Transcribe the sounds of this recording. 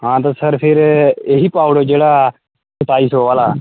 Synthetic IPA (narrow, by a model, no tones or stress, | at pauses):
ɦãːt̪̬əsəɾpʰɪɾeɦiːpaːʋɽoːd͡ʒeːɽa | sʊp̪aːisoːʋaːlaː